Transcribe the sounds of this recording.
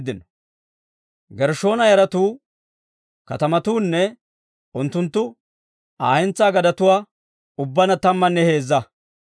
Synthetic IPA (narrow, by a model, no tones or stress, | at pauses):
d̪ɪnɔ | ɡɛɾʃo̞ːnɐjɐɾɐt̪uː | kɐt̪ɐmɐt̪uːnːɛ | ʊnt̪ːʊnt̪ːʊ | aːhɛnt͡sːaːɡɐd̪ɐt̪ʊwaː | ʊbːɐnɐt̪ɐmːɐnːɛhe̞ːzːɐ